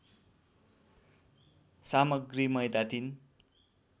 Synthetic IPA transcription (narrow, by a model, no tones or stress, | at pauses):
samʌɡrimʌjd̪at̪in